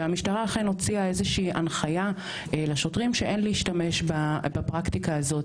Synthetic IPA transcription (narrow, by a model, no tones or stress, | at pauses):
eamiʃtaʁaːχeno̞t͡siaezeʃiːʔanχaja | laʃo̞tʁimʃeʔe̞nliiʃtame̞ʃbabapʁaktikaːzo̞t